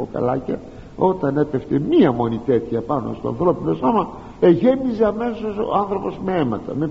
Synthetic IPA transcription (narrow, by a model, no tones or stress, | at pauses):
o̰kɐ̰lɐ̰cɐ | o̞t̪ɐne̞peft̪emiɐmo̞nit̪e̞t̪çɐpɐno̞̰st̪o̞̰ɐ̰nθɾo̞pino̞so̞mɐ | eʝemizeɐme̞soso̰ɐnθɾo̞po̞zmeemɐt̪ɐ̰me